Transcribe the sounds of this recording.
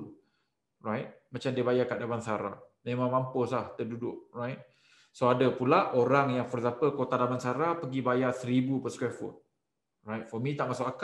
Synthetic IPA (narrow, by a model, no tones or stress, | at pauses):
rajt̪̚mat͡ʃamdiəbajakaʔdamansaɾa̰mẽmãŋmampəslaht̪ədudʊʔ̚rajt̪̚ | soadəpulaoɾaŋjaŋfɔɾzampəlkot̪adamansaɾapəɡibajasəɾibupəskwɛfʊ̰n̚ | rajt̚fɔmit̪aʔmasʊkaka